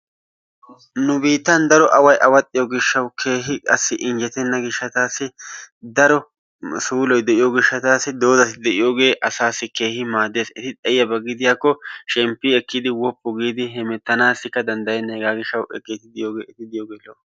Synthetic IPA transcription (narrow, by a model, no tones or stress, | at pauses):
nʊbiːt̪ːɐnd̪ɐɾɔʔɐwɐjʔɐwɐt̪ʼːɪjɔɡɪʃːɐwkʰe̞ːɦɪkʼɐsːɪʔɪnd͡ʒɛt̪ɛnːɐɡɪʃːɐt̪aːsːɪd̪ɐɾɔ | suːlɔjd̪ɛʔɪjoɡɪʃːɐt̪aːsːɪd̪o̞ːzɐsɪd̪ɛʔɪjo̞ːɡe̞ːʔɐsaːsːɪke̞ːhɪmaːd̪e̞ːsɪt̪ɪt̪ʼɛjːɐbɐɡɪd̪ɪjaːkːɔʃɛmpːɪɛkːɪd̪ɪwɔpːɔɡiːd̪ɪɦɛmɛt̪ːɐnaːsɪkːɐd̪ɐnd̪ɐjɛneːɡaːɡɪʃːɐwʔɛ̰kʼːet̪ɪd̪ɪjo̞ːɡe̞ːɛt̪ɪd̪ɪjoːɡeːlo